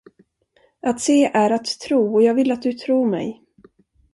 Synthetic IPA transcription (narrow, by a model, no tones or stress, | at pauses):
ʔat̪seːʔæɾat̪ʰːɾuːɔjɑːɡvɪlːat̪̚d̪ɵt̪ʰɾuːɾmɛ̰j